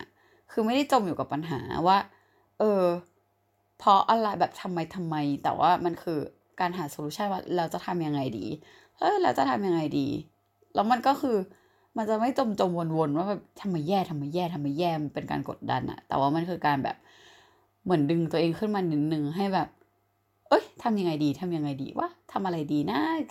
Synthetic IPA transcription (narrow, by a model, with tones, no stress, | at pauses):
kʰɯː˧ma˥˩jda˥˩jt͡ɕo˧mjuː˨˩ka˨˩pːa˧nɦa̰ː˩˦waː˥˩ | ʔɤː˧ | pʰɔ˦˥ʔa˧la˧˩jbɛː˨˩p̚t̪ʰa˧mːa˧jt̪ʰa˧mːa˧jt̪ɛ̰ː˨˩wʔa̰ː˥˩ma˧nkʰɯː˧ | kaː˧nɦaː˩˦soː˧luː˧˦˥a˥˩nwaː˥˩lɛ˧wt͡ɕa˨˩t̪ʰa˧mja˧ŋːa˧jdḭː˧ | ʔɤː˧˩la˧˥wt͡ɕa˨˩t̪ʰa˧mja˧ŋa˧jdḭː˧ | lɛː˦˥wma˧nkɔː˥˩kʰɯː˧ | ma˧nt͡ɕa˨˩ma˥˩jt͡ɕo˧mt͡ɕo˧mwo˧nwo˧nwaː˥˩bɛː˨˩p̚t̪ʰa˧mːa˧jːɛː˥˩t̪ʰa˧mːa˧jːɛː˥˩t̪ʰa˧mːa˧jːɛː˥˩mpe˧nka̰ː˧nko̰˨˩t̪̚da̰˧nʔa̰˨˩t̪ɛ̰ː˨˩waː˥˩ma˧nkʰɯː˧kaː˧nbɛ̰ː˨˩p̚ | mɯ˩˦əndɯ˧ŋt̪u˧ʔeː˧ŋkʰɯː˥˩nmaː˧ni˨˦nɯ˧ŋɦa˥˩jbɛː˨˩p̚ | ʔɤ˦˥˩jt̪ʰa˧mja˧ŋa˧jdiː˧t̪ʰa˧mja˧ŋːa˧jdḭː˧wʔa̰ː˦˥˩t̪ʰa˧mʔa˧ɾa˧jdiː˧na˦˥˩